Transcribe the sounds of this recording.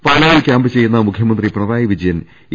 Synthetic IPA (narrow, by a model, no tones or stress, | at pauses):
paːlaːjilkʲaːmbɨt͡ɕe̞jːunːɐmukʰjɐmɐnd̪riprɐðaːjiʋid͡ʑɐjɐn